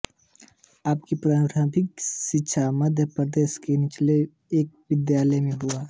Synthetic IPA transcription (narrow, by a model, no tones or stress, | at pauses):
aːpkipɾaːɾaːbɪkʃɪtːʃʰamɐd̪ʱjəpɾəd̪eːʃkenɪt͡ʃle | eːk̚ʋɪd̪jaːləjmẽɦʊaː